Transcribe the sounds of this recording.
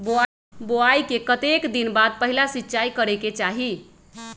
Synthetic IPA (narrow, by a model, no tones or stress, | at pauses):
boa | boaikekət̪ekd̪inbad̪̚pəɦilasitːt͡ʃaikəɾeket͡ʃaɦi